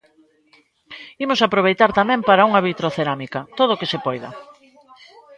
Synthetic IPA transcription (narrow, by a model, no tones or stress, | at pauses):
imʊsapɾoβ̞ejt̪aɾt̪amɛ̃mpaɾɐuŋɐβit̪ɾoθeɾamikɐt̪oðoːkɪsepɔjðɐ̰